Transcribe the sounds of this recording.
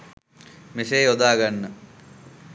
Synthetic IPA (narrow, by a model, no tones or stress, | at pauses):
mesejod̪aːɡanːə